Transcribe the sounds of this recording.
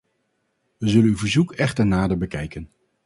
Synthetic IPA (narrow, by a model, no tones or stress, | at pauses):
ʋəzɵlənyvəɹzukɛχtəɹnaːdəɹbəkɛjkən